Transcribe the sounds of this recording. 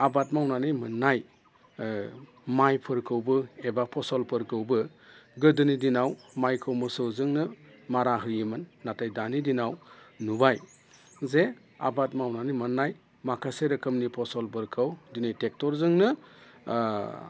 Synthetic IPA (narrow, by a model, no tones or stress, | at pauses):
abat̚mawnanɯjmɯnːaj | majpʰɯɾkʰɯwbɯebapʰɔsɔlpʰɯɾkʰɯwbɯ | ɡɯdɯnidinawmajkʰɯwmɯsɯwzɯŋnɯmaɾaɦɯjɯmɯnːatʰajdanidinawnubaj | ze | a̰bat̚mawnanijmɯnːaj | makʰaseɾɯkʰɯmnipʰɔsɔlpɯɾkʰɯwdinajtek̚tɔɾzɯŋnɯ